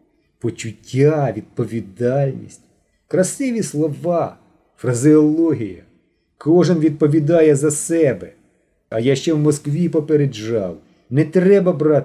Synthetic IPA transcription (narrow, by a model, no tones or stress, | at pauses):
pɔt͡ʃʊtʲːaʋʲid̪̥̚pɔʋʲid̪ɑlʲnʲḭsʲtʲ | kɾɐsɪʋʲislˠɔʋɑ | fɾɐzɪɔlˠɔɦʲijɐ | kɔʒɪnʋʲid̪̚pɔʋʲid̪ɑjɛzɐsɛbɛ | ɐjaʃt͡ʃɛwmɔskʋʲipɔpeɾeʒɑw | nɛt̪ɾɛbɐbɾɑt̪